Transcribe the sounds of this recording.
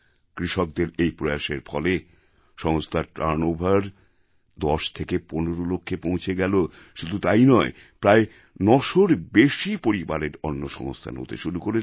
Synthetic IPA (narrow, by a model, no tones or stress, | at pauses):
kɾiʃok̚d̪eɾejpɾojaʃeɾfʰɔle | ʃɔŋost̪ʰaʈɾaɾnobʱaɾ | d̪ɔʃt̪ʰekeponoɾolokʰːepõw̃t͡ɕʰeɡɛlo | ʃud̪ʱut̪ajnɔe | pɾae | nɔʃoɾbeʃipoɾibaɾeɾonːoʃɔ̰ŋo̰st̪ʰa̰nɦo̰t̪ḛʃuɾukoɾe